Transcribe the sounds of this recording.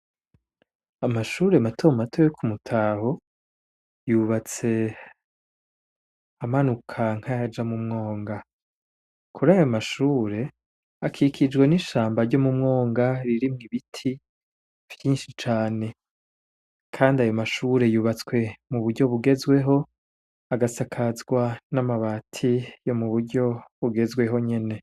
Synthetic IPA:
amaʃuːɾe̞matʰomatʰojekʰumutʰaho̞ | juβat͡se̞ | amanukʰaŋ̥hajad͡ʒamumŋo̞ːŋɡa | kʰuɾajo̞maʃuːɾe̞ | akʰikʰid͡ʒɡwe̞niʃaːmbaɾɟo̞mumŋo̞ːŋɡaɾiɾimŋiβitʰi | v̥jiːnʃit͡ʃaːne̞ | kʰaːndiajo̞maʃuɾe̞juβat͡swe̞muβuɾɟo̞βuɡe̞zwe̞ɦo̞ | aɡasakʰazɡwanamaβaːtʰijo̞muβuɾɟo̞βuɡe̞zɡwe̞ɦo̞ɲe̞ne̞

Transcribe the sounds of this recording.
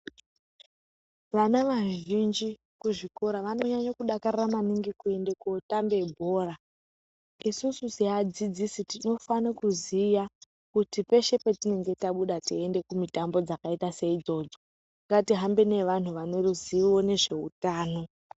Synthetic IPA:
ʋanaʋaʒind͡ʒi | kuʐikoɾaʋano̞ɲaɲakuɗakariramaniŋɡikue̞ndekotambe̞bʱo̞ːra | isusuziad͡zid͡zisitino̞fanakuzija | kutipe̞ʃe̞petine̞ŋɡe̞taɓuɗatiende̞kumitambo̞d͡zakaitase̞id͡zo̞ːd͡zo̞ | ŋɡatiɦambe̞ne̞ʋan̤uʋaneruziwo̞ne̞ʐe̞ṵtaːno̞

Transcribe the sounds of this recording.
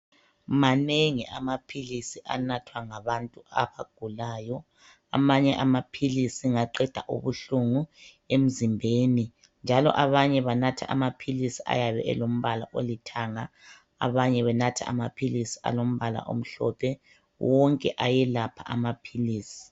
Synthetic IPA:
maneŋiʔamapʰilisiʔa̰natʰwaŋaβantʼua̰βaɡ̥ʱulaːjɔ | a̰maɲɛʔamapʰilisiŋaǃɛd̥ʱa̰ʔṵβuɬuŋu | em̩zimbʱeːni | nd͡ʒʱalɔ̰ʔaβaɲɛβanatʰa̰ʔamapʰilisiʔa̰jaβɛ̰ʔɛ̰lom̩βala̰ʔolitʰaŋa̰ː | βaɲɛβɛnatʰa̰a̰mapʰilisi̥a̰lom̩βala̰ʔo̰m̩ɬɔ̰pʰɛ | wʔɔŋkʼɛʔajɛlapʰa̰ʔamapʰiliːsi̥

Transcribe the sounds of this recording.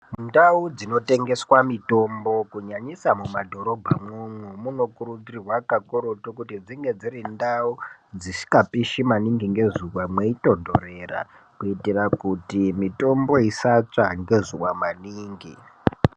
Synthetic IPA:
ndaud͡zino̞te̞ŋɡe̞swamito̞mbo̞kuɲaɲisamumadʱo̞ɾo̞bʱamomwemuno̞kuɾud͡zirirwakakoɾotukutid͡ziŋɡe̞d͡zirindaud͡zisi̥kapiʃimaniŋɡiŋɡe̞zuwamweito̞ndo̞re̞ːra̰ | kuitirakutimito̞mbo̞isat͡ʂaŋɡe̞zuwamaniːŋɡi

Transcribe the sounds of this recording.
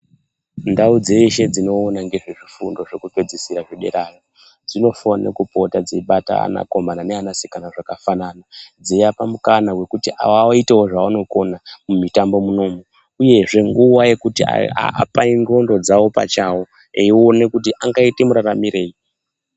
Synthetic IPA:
ndaud͡ze̞iʃe̞d͡zino̞ːnaŋɡe̞ʐeʐifundo̞ʐe̞kupe̞d͡zisiɾaʐiɗe̞̰ɾaro | d͡zino̞fonḛkupotad͡zeiɓata̰a̰na̰ko̞mananeanasi̥kanaʐakafananad͡zejapamukanawe̞kutiʔa̰waoitewoʐaano̞ko̞namumitambo̞muno̞mo | uje̞ʐe̞ŋɡuwaje̞kutia̰a̰a̰paiŋo̞ndo̞d͡zawo̞pa̰t͡ʃawo | eio̞ne̞kut̬iʔaŋɡaite̞muɾaramiɾe̞ːi

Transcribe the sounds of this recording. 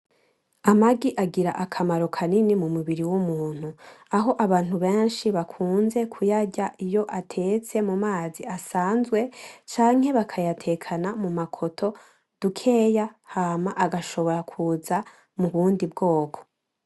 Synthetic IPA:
amaɡiʔaɡiɾaʔakʰamaɾo̞kʰaninimumuβiɾiwumuːn̥huaɦo̞ʔaβaːnhuβe̞ːnʃiβakʰuːnze̞kʰujaɟaʔijo̞ʔatʰe̞t͡se̞mumaːziasaːnzɡwe̞t͡ʃaːŋhe̞βakʰajatʰe̞kʰanamumakʰo̞tʰo̞ | d̥ukʰe̞ːjahaːmaʔaɡaʃo̞βo̞ɾakʰuza | muβuːndibɡo̞ːkʰo̞̥

